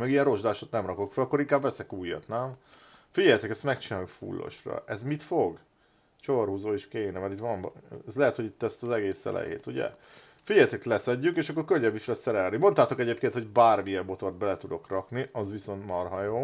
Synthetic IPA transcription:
mɛɡijɛnro̞ʒd̪aːʃot̪nɛmrɒko̞kfɛlɒkːoɾiŋkaːbːɛsɛkuːjːɒ̰t̪naːm | fiɟɛjt̪ɛkɛst̪mɛkt͡ʃinaːljukfṵlːo̰ʃrɒ̰ʔɛzmit̪foɡ | ʃorhuzoːeʃkeːnɛmɛɾitʋɒmɛzlɛɦɛt̪ho̞ɟit̪ːɛst̪ɒzɛɡeːsɛ̰lɛ̰jḛːt̪uɟɛ̰ | fiɟɛjt̪ɛklɛsɛɟːykeːʃɒkːo̞rkøɲːɛbːiʃlɛssɛɾɛlnimo̞nt̪aːt̪o̞kɛɟeːp̚keːnt̪ho̞ɟbaːrmiɛmbo̞t̪o̞rd̪̚bɛlɛt̪ud̪o̞krɒkniɒzʋiso̞nt̪mɒrɦɒjoː

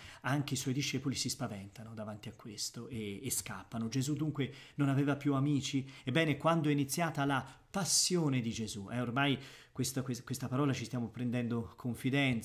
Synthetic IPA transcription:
aŋk̟eiswɔjd̪iʃːɛːpolisispavɛnt̪anod̪avant̪iakːwest̪oʔeːskapːanod͡ʒezud̪ːuŋkwenonavɛːvapjuamiːt͡ʃiebːɛːnekwand̪oɛinit̪sːjaːt̪alapasːjoːned̪id͡ʒezuʔɛormajkwest̪akwekwest̪apaɾɔːlat͡ʃist̪jaːmopɾɛnd̪ɛnd̪okʰoɱfid̪ɛnt̪s

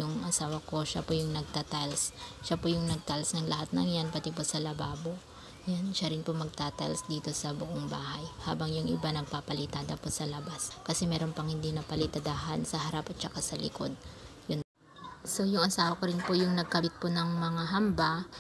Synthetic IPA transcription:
jʊŋʔɐsaːwɐko̞ʃa̰pojʊŋnɐɡ̚t̪at̪alsʃapojʊŋnɐɡ̚t̪alsnɐŋlɐɦat̪̚nɐŋjanpɐt̪ɪposɐlɐbaːbo̞ | janʃaɾɪnpomɐɡ̚t̪aːt̪ɐ̰lsd̪iːt̪o̞sɐbʊʔoŋbaːɦajha̰ːbɐŋjʊŋʔɪ̰banɐɡ̚papɐlɪt̪aːd̪ɐposɐlɐbaskɐsɛmɛːɾo̞npɐŋhɪnd̪inɐpɐlɪt̪ɐd̪aːɦɐnsɐɦɐɾapɐt̪̚t͡ʃɐkasɐlɪ̰ko̞̰d̪̚ | jʊno | so̞jʊŋʔɐsaːwɐko̞ɾɪnpojʊŋnɐɡ̚kɐbɪt̪̚ponɐŋmɐŋaɦɐmba

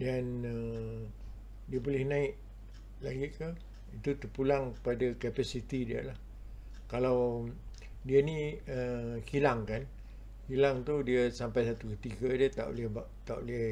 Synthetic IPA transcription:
danə | diabolɛhnãɪʔ | laɡɪt̪̚ka | it̪ut̪ərpulaŋəpadakapasit̪idia̰lah | kalaw | dianiəkilaŋkan | kilaŋt̪udiasampajsat̪ukət̪iɡədət̪a̰ʔo̰lɛhba | t̪aʔo̰lɛh

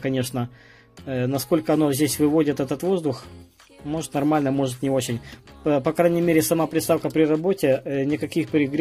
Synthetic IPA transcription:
kɐnʲe̞ʂnə | nɐsko̞lʲkəɐnozʲdʲesʲvɨvo̞dʲɪt̪ɛt̪ət̪vo̞zd̪ʊx | mo̞ʐɨt̪nɐrmalʲnəmo̞ʐɨt̪nʲɪo̞t͡ɕɪnʲpɐkɾajʲnʲɪjmʲeɾʲɪsɐmapɾʲɪst̪afkəpɾʲɪrɐbo̞tʲɪnʲɪkɐkʲixpɾʲɪɡɾʲ

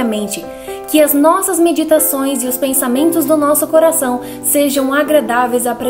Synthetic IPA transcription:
ɐmẽnt͡ʃɪ | kɪɐznɔsɐzmed͡ʒit̪asõj̃zɪʊspẽsamẽnt̪ʊzd̪ʊnɔsʊkoɾasɐ̃w̃ | seʒɐ̃w̃aɡɾad̪avejzapɾe

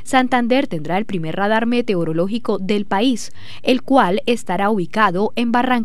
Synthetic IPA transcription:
sant̪and̪e̞ɾt̪e̞nd̪ɾae̞lpɾime̞ɾraðaɾme̞t̪e̞oɾo̞lo̞xiko̞ðe̞lpais | e̞lkwale̞st̪aɾauβikaðo̞ʔe̞mbaraŋ

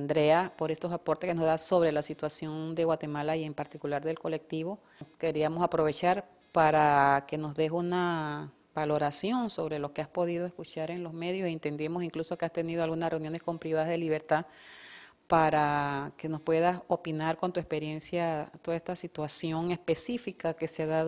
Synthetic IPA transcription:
nd̪ɾe̞apo̞ɾe̞st̪osapo̞ɾt̪ehkeno̞zðaso̞βɾe̞lasit̪wasjo̞nd̪e̞ɣwat̪e̞malaie̞mpaɾt̪ikulaɾðe̞lko̞le̞k̚t̪iβo̞ | ke̞ɾiamo̞sapɾo̞βe̞t͡ʃaɾ | paɾake̞no̞zðe̞ɦuna | balo̞ɾasjo̞nso̞βɾe̞lo̞ke̞aspo̞ðið̞o̞e̞skut͡ʃaɾe̞nlo̞sme̞ðjo̞sent̪e̞nd̪emosiŋkluso̞ke̞ast̪e̞niðo̞alɣunasreunjo̞ne̞sko̞mpɾiβaðazðeliβe̞ɾt̪a | paɾake̞no̞spwe̞ðaso̞pinaɾko̞nt̪ue̞spe̞ɾje̞nsjat̪oaest̪asit̪wasjo̞ŋe̞spe̞sifikake̞seaðað

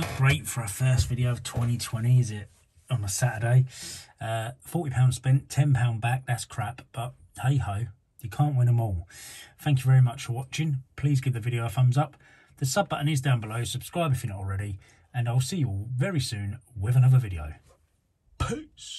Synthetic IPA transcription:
nəʔɡ̥ɹeɪtfəɹafɜˑstvɪɾiəʊəv̥tʰw̥ɛ̃ñitʰw̥ɛ̃ñiɪzɪt | ə̃n̩ðəsætədeɪʌfɔˑtipʰãʊ̃nd̥spɛ̃ntʰɛ̃npʰãʊ̃nbak̚ðætskʰɹ̥apb̥ʌʔ̚ | heɪhəʊ | jəkʰɑ̃ːˑnʔwɪ̃nə̃mɔːlˠθæ̃ŋkjəvɛɹimʌt͡ʃfəwɒt͡ʃɪ̃ŋpʰl̥iːzɡɛʔðəvɪɾiəʊfʌ̃mzʌp̚ | ðəsʌb̚bʌʔnizdãʊ̃nbələʊsəb̥skɹaɪbɪfjənətl̩ˠɹɛɾi | ə̃naɪlˠsiːjəvɛɹisʉ̃ːnwɪvə̃nʌvəvɪɾiə̰ʊ | pʰʉˑts

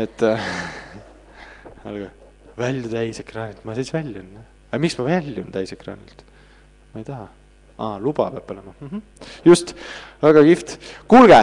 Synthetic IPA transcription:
et̪ːˑ | ɑ̰lɡ̥ɑ | vælʲjut̪æjse̞krɑːnʲilt̪mɑsisvælʲjunːa | ɑmiksmɑvælʲjunt̪æjsekrɑ̰ːnḭlt̪ | mɑejt̪ɑɦɑ | ɑːlub̥ɑ̰peɑːb̥o̞lemɑm̩ɦm̩ | just̪væɡ̥ɑkift̪kulɡ̥e

